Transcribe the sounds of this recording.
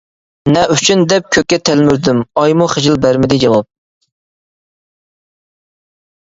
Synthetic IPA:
nɛʔyt͡ʃʰynd̪ɛp̚kʲʰøkʲːɛt̪ʰælmyɾd̪ymɑjmuχəʒɪlbæɾmɪd̪ɪd͡ʒɑwɑp̚

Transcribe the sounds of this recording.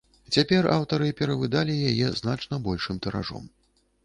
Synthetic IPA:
t͡sʲapʲɛra̰wt̪ɐɾɨpʲɛɾɐvɨd̪alʲijajɛznat͡ʂnɐbɔlʲʂɨmt̪ɐɾa̰ʐɔ̰m

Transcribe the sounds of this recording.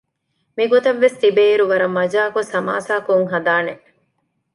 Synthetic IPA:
miɡot̪ɐʋːest̪ibeiɾuʋɐɾɐmːɐd͡ʒaːkusɐma̰ːsaːkuŋɦɐd̪aːne

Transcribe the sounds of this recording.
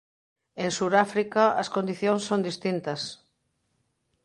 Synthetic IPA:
eŋsuɾafɾikɐɐskond̪iθjõŋsːõnd̪ist̪int̪ɐs

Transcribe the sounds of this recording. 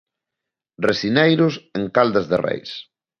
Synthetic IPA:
resinejɾʊseŋkald̪azðerḛjs

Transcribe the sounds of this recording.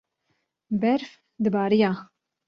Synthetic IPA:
bɛɾf | d̪ɨbɑːɾijɑː

